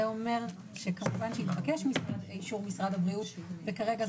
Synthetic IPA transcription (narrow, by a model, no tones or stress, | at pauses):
eome̞ʁ | ʃekamuvanʃeitχakeʃmisadiʃuʁmisʁadhabʁiutvekaʁe̞ɡa